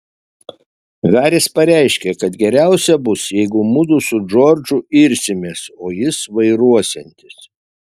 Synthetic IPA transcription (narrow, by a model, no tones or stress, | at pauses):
ʋʲæːɾʲɪspɐɾʲæˑɪʃʲkʲekɐt̪ɡʲɛɾʲæˑʊsʲɛbʊsjɛɪɡʊmʊd̪ʊsʊʒoːɾʲd͡ʒʊɪɾʲsʲɪmʲesoːjɪsʋɐɪɾuɔsʲɛnʲt̪ʲɪs